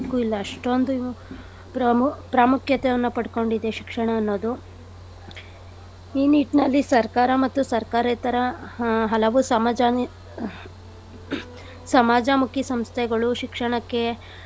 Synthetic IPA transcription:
kːuilːɐːʂʈo̞nd̪uu | pɾɐpɾaːmukjɐt̪ɛjɐnːupɐɽko̞ɳɖid̪ːe̞ʃi̥kʂɐɳɐːnːoːd̪u | iːniːʈnɐlːisɐɾkaːɾɐmɐt̪ːusɐɾkaːɾɐt̪ɐɾɐɦɐlɐʋusɐd͡ʒ | sɐmaːd͡ʒɐmukʰisɐmst̪ʰɛɡɐɭuʃikʂɐɳɐkːe̞

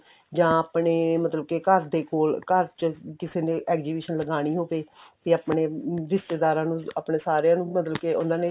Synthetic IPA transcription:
d͡ʒãːaːpɳeːmət̪ləb̚keːkəɾd̪eːkoːlkəɾt͡ʃəkɪseːnẽːʔɛːkd͡ʒiːbiːʃənləɡaːɽ̃iːɦoːʋeːt̪iaːpneːɾɪst̪eːd̪aːɾãːnũːa̰ːpɳeːsaːɾjãːnũːmət̪ləb̚keːʊ̰ːnd̪aːneː

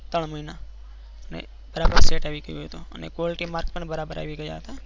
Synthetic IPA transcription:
t̪əɳ̃məɦina | nḛ | b̥əɾaːbəɾseːʈaʋikəjuoet̪ũə̰nḛkoːlʈimaːɾkpənbəɾaːbəɾʔa̰ʋikəja̰ːt̪aː

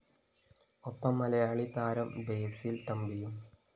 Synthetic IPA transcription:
opːɐmːɐlɐjaːɭit̪aːɾɐmbeːsilt̪ɐmbijum

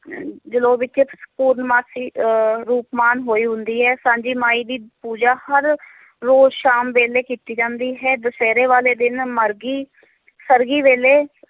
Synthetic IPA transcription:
d͡ʒəloːʋɪtt͡ʃeːpuːɾnmaːsiːɾuːpmaːnɦoːiːɦʊnd̪iːɦɛːsãːɲd͡ʒiːmaːiːd̪iːpuːd͡ʒaːhəɾː | oːzʃaːmʋeːleːkiːt̪iːd͡ʒãːnd̪iːɦɛːd̪əsɛːɾeːʋaːleːd̪ɪnməɾɡiː | səɾɡiːʋeːleː

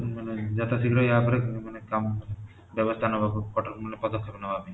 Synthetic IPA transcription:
maned͡ʑat̪asiɡɾaapɾekmanekam | bɛbost̪ʰanɔbʱabkɔʈaɾmunepɔd̪okʰːepnabʱabe

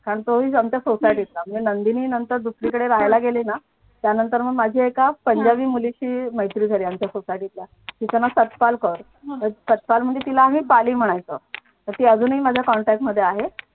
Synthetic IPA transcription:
kaɾəɳt̪oɦiːamt͡ɕjasosajʈit̪lam̤əɳd͡zenənd̪iniːnənt̪əɾd̪usɾiːkəɽeɾaɦajlaɡelina | t̪janənt̪əɾməɳmad͡ʑʱiːekapəɲd͡ʑaʋiːmuliɕiːməjt̪ɾiːd͡zʱəɾiamt͡ɕjasosajʈit̪lja | tit͡sənasət̪palkəɾ | əsət̪palm̤əɳd͡zet̪ilaːɦĩpaliːm̤əɽ̃ajt͡sə | t̪əɾt̪iːəd͡zuːniːmad͡ʑʱjakɔɳʈɛk̚ʈməd̪ʱːjeaɦe

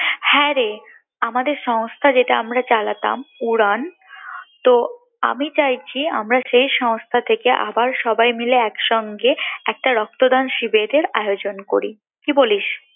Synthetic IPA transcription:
hɛɾe | amad̪eɾʃɔŋst̪ʰad͡ʑeʈaamɾat͡ɕalat̪a̰muɾan | t̪o | a̰mit͡ɕajt͡ɕʰia̰mɾaʃejʃɔŋst̪ʰat̪ʰekeʔa̰baɾʃɔbajmileɛkʃɔŋɡeɛk̚ʈaɾɔk̚t̪od̪anʃibed̪eɾaeod͡ʑonkoɾi | kiboliʃ

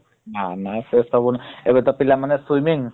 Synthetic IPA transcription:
nanasestɔbunebet̪ɔpilamanɛswumiŋ

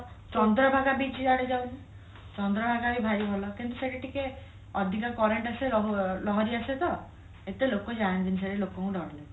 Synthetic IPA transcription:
t͡ʃɔnd̪ɾɔbʱaɡabit͡ʃaɽed͡ʒaw̃ti | t͡ʃɔnd̪ɾɔbʱaɡabibʱaɾiɦɔlɔkint̪useʈiʈʰike | ɔd̪ʱikakɔɾeɳʈaseɾɔɦlɔɦɔɾiaset̪ɔ | et̪elokod͡ʒand͡ʒ̪inis̬eɽelokɔkũɖɔɽle

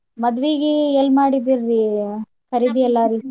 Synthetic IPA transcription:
mɐd̪ʋiɡeelmaːɽid̪iɾːi | kʰɐɾid̪iɛlːaɾi

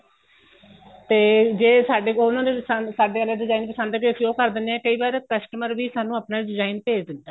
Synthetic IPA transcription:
t̪eːd͡ʒeːsaːɖeʊnãːd̪esasaːɖeːkəlːaɖɪzaːinpəsaːnd̪eːkːkʰjoːkəɾd̪ɪnːeɛːkəiːbaːɾkəsʈəməɾʋiːsaːnːũːaːpnaːiɖɪzaːinpeːd͡ʒd̪ɪt̪ːaː

